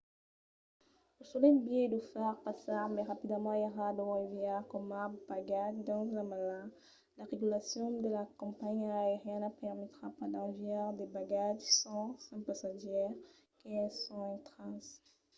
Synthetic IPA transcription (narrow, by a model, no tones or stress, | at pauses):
usulɛmbjed̪ufaʁpasaʁmɛʁapid̪əmɑ̃eʁad̪owɛ̃vjaʁkɔmabaɡaʒd̪ɑ̃zamalã | laʁeɡylasjɔ̃d̪əlakɔ̃mpaɲaeʁjɛ̃napɛʁmet̪ʁapaʁd̪avɛʁd̪ebaɡaʒsɑ̃sɛ̃pasaʒɛʁ | keɛsɔ̃ɛ̃t̪χɑ̃s